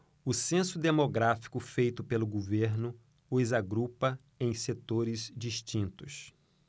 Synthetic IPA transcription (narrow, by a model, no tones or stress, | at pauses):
ʊsẽsʊd̪emoɡɾafi̥kʊfejt̪ʊpelʊɡoveɾnʊ | ʊzaɡɾupɐ | ẽj̃set̪oɾɪzd͡ʒiʃt͡ʃĩnt̪ʊs